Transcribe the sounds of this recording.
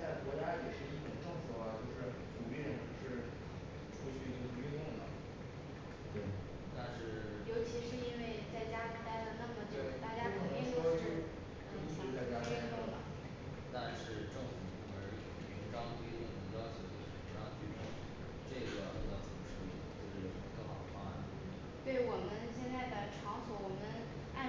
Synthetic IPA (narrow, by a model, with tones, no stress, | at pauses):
t͡sa˥˩ɪkwɔ˧˥t͡ɕja˥jɛ˨˩ʂɻ̩˥˧i˧˥˩ʈ͡ʂʊ˨˩ʈ͡ʂɤ˥˧ŋfu˨˩a˧t͡ɕjo˥˧ʊʂɻ̩˥˩ | ʈ͡ʂu˨˩pjɛ˥˧˩ʂɻ̩˥˩ | ʈ͡ʂʰu˥t͡ɕʰy˥˩i˥ɡə˧˩t͡ɕy˥˧ʊ˥˩ŋd̪ə˩ | t̪we˥˩ɪ | t̪a˥˧nʂɻ̩˥˩ | jo˧˥ʊt͡ɕʰi˧˥ʂɻ̩˥˧i˥nwe˥˧ɪt͡sa˥˩ɪt͡ɕja˥li˧˥t̪a˥ɪd̪ə˨˧nə˥˩kt͡ɕwe˥˩a˥˩t͡ɕja˥i˥˩ŋʂwɔ˥ʈ͡ʂe˥˩ɡ | ʂa˥˧t͡sa˥˩ɪt͡ɕja˥ɛ˥ko˥˩˥ʊlə̰˩ | t̪a˥˧nʂɻ̩˥˧ʈ͡ʂɤ˥˩ŋfu˨˩˧ə˞˧˥˨mi˧˥ʈ͡ʂɑ˥ŋt̪i˥˩d̪ə˨˩nə˧˥ŋjɑ˥ʊt͡ɕʰjo˧˥ʊd̪ə˥˧˩ʂ̩˥˩˧jɑ˥˧ŋt͡ɕy˥˧ʈ͡ʂɤ˥˩ŋf | ʈ͡ʂe˥˩ɡə˩˧˥o˧˥ɑ˥˩ʂə˨˩mə˧˦ʂu˥i˥˩d̪t͡ɕo˥˧ʊʂ̩˥˩˨k̪ə˥˩xɑ˨˩ʊd̪ə˦fa̰˥˩n˥˩ | t̪we˥˩ɪwɔ˨˩mə˦nɕjɛ˥˧nt͡sa˥˩ɪt̪ə˨˩ʈ͡ʂʰɑ˧˥ŋswɔ˧˥wɔ˨˩mə˦n | a˥˧